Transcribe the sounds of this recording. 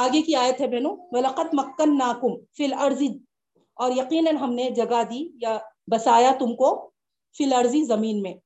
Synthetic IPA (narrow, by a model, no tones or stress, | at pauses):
aːɡekiaːjət̪ɦɛbɛːnũʋɐlɐqɐd̪mɐkːɐnːaːkʊmfilɐɾzi | ɔːɾjɐqiːnɐnɦɐmned͡ʒɐɡad̪iːjabɐsaːjat̪ʊmko | fɪlɐɾzizɐmiːnmẽː